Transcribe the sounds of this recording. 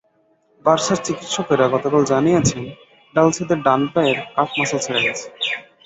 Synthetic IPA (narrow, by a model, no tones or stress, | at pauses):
baɾʃaɾt͡ɕikit̪ʃofeɾaɡɔt̪okald͡ʑanijet͡ɕʰen | ɖalt͡ɕʰed̪eɾɖanpaeɾkafʰmasalt͡ɕʰeɽaɡɛt͡ɕʰe̥